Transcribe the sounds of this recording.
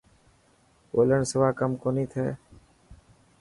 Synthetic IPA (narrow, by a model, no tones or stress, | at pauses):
o̰ːləɳsəʋaːkəmkoːniːt̪ʰɛː